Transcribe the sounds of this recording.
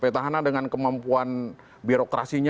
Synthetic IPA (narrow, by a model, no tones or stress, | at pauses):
pet̪aɦanadəŋankəmampuan | biɾokɾasiɲ